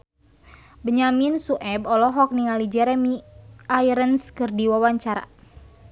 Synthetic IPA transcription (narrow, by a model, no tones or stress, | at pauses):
bəɲaminsuʔɛbɔlɔɦɔk̚niŋalid͡ʒɛɾɛmiajɾənskɨrdiwawaɲt͡ʃaɾa̰